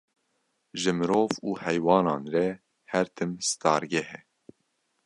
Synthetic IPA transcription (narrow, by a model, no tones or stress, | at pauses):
ʒɨmɨɾoːvuːhɛjwɑːnɑːnrɛ | hɛɾt̪ʰɨmst̪ɑːɾɡɛhɛ